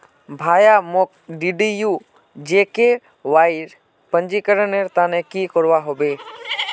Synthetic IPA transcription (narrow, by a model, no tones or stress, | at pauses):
bʱaːjamok̚ɖiɖiju | d͡ʒeːke | ʋaːɪɾ | pə̃nd͡ʒikəɾəneɾt̪aːnẽkikoɾʋaɦoːbeː